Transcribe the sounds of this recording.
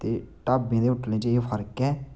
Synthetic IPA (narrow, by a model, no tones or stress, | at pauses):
t̪eːʈaːbẽːd̪eːʊʈlẽːt͡ʃepʰəɾkɛː